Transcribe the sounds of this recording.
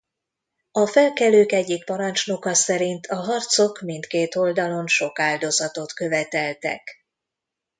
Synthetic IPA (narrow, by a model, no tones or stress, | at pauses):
ɒfɛlkɛløːkɛɟːik̚pɒɾɒnt͡ʃno̞kɒsɛɾint̪ʰɒɦɒrt̪so̞kmint̪keːt̪o̞ld̪ɒlo̞nʃo̞kaːld̪o̞zɒt̪o̞t̪kø̞vɛt̪ɛlt̪ɛ̰k